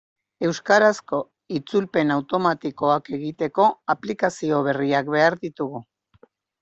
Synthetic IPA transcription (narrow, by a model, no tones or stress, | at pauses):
e̞wskaɾasko̞ | it͡sulpe̞nawt̪o̞mat̪iko̞ake̞ɣit̪e̞ko̞aplikasio̞β̞e̞riakβe̞aɾðit̪uɣu